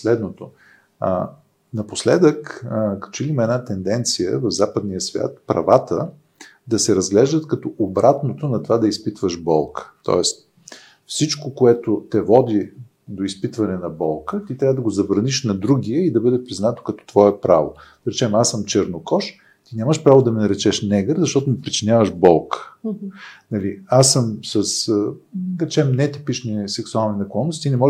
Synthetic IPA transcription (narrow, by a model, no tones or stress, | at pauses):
slɛd̪not̪o | nɐposlɛd̪əkkɐ̥t̪ot͡ʃilimɛdnat̪ɛnd̪ɛnt̪sijə̰vɐvzapəd̪nijəsvʲja̰t̪pɾɐ̰vat̪ə | d̪ɐsɛɾɐzɡlɛʒd̪ət̪kɐt̪ɔʔobɾat̪not̪onɐt̪ovad̪ɐispit̪vəʃbɔlˠkʰə̥t̪ɔ̰ɛs | fsit͡ʃkokoɛt̪ot̪ɛvɔd̪i | d̪oispit̪vɐnɛnɐbɔlˠkət̪it̪ɾʲavəd̪ɐɡozɐbɾɐniʃnɐd̪ɾuɡ̟iəid̪ɐbɤd̪ɛpɾiznat̪o̥kɐt̪ɔ̥t̪vɔɛpɾa̰vo̰d̪̥ɐɾɛt͡ʃɛmasːəmt͡ʃɛɾnokɔʃ | t̪inʲaməʃpɾavod̪ɐmɛnɐɾɛt͡ʃɛʃnɛɡəɾzɐʃt̪ɔt̪omipɾit͡ʃinʲjavəʒbɔlˠkə̥ | nɐliasəmsəs | ɾɛt͡ʃɛmnɛt̪ipit͡ʃnisɛksualˠninɐklˠɔnːosinɛmɔʒ